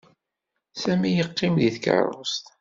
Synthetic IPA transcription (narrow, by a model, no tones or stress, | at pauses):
sæmijəqːimðiθkə̰ɾɾˤo̰st̪